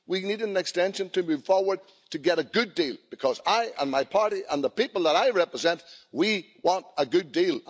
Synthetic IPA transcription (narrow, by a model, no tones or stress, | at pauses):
winidⁿnə̃nɨkstɛ̃nʃɨ̃ntʰɨmʉv̥fɔɹwə˞d̚ | tʰɨɡɛɾɨɡʊdilˠb̥ɨkʰʌzaɪʔə̰̃nmaɪpʰɑɹɾiʔə̃nðəpipl̩ˠðəɾaɪɹɛpɹɨzɛ̃nʔwi | wɑ̃ntəɡʊdilˠ